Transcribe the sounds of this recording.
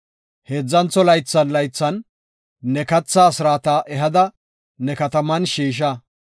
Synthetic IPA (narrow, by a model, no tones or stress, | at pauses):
heːd͡zːɐnt͡sɔlɐjt͡sːɐnlɐjt͡sːɐnː | ɛkɐt͡sːɐːsɪɾaːt̪ɐʔɛɦɐd̪ɐ | nɛkɐt̪ɐmɐnʃiːʃ̬ɐ